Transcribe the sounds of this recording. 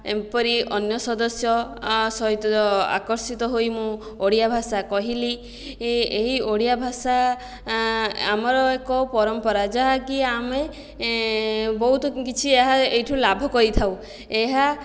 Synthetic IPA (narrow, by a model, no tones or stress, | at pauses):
ḛmpɔɾiʔɔnjɔsɔd̪ɔsjɔsɔɦit̪ɔa̰kɔɾsit̪ɔɦojmũ | oɽijabʱasakɔɦili | eɦioɽijabʱasa | amɔɾɔekɔpɔɾɔmpɔɾad͡ʒaɦakiame | bɔɦut̪ɔkit͡ʃʰieɦaejʈʰũlabʱɔkɔɾit̪ʰaw̃ | eɦa